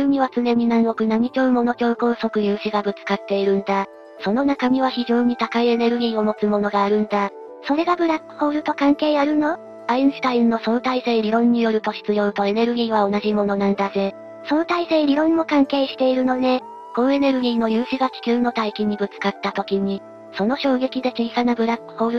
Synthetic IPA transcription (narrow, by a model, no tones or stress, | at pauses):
ɾɯ̟mʲiβ̞at͡sɨne̞ɲ̟inãɰ̃o̞kɯ̟nam̟ʲit͡ɕo̞ːɯmo̞no̞kʲo̞ːko̞ːso̞kɯ̟jɯ̟ːɕiɡabɯ̟t͡sɨ̥kat̪ːe̞iɾɯ̟̃nd̪a | so̞no̞nakamʲiβ̞açiʑo̞ːɲ̟it̪akaie̞ne̞ɾɯ̟ɡʲiːo̞mo̞t͡sɨmo̞no̞ɡaːɾɯ̟̃nd̪a | so̞ɾe̞ɡabɯ̟ɾakːɯ̟̥ho̞ːɾɯ̟t̪o̞kãŋke̞ːjaɾɯ̟no̞ | aĩɰ̃sɨ̥t̪ainːo̞so̞ːt̪aiseːɾʲiɾõ̞ɲ̟ːijo̞ɾɯ̟t̪o̞ɕi̥t͡sɨjo̞ːt̪o̞e̞ne̞ɾɯ̟ɡʲiːβ̞ao̞naʑimo̞no̞nãnd̪aze̞ | so̞ːt̪aise̞ːɾʲiɾõ̞nmo̞kãŋke̞ːɕi̥t̪e̞iɾɯ̟no̞ne̞ | ko̞noe̞ne̞ɾɯ̟ɡʲiːno̞jɯ̟ːɕiɡakʲi̥kʲɨɯno̞t̪aikʲiɲ̟ibɯ̟t͡sɨ̥kat̪ːat̪o̞kʲiɲ̟i | so̞no̞ɕo̞ːɡe̞kʲid̪e̞kʲiisanabɯ̟ɾakːɯ̟̥ho̞ːɾɯ